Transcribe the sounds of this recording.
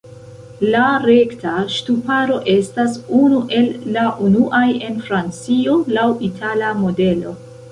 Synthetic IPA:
laɾe̞ktaʃtupaɾo̞ʔe̞stasunuʔe̞lːaʔunuʔaje̞nfɾant͡sio̞lawitʰalamo̞de̞lo̞

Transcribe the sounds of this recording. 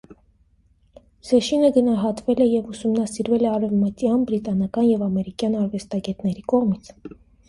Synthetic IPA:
zɛʃinəɡənɑɦɑt̪vɛlɛjɛvusumnɑsiɾvɛlɛɑɾɛvmət̪jɑnbɾit̪ɑnɑkɑnjɛvɑmɛɾikjɑnɑɾvɛst̪ɑɡɛt̪nɛɾikɔʁmit͡sʰ

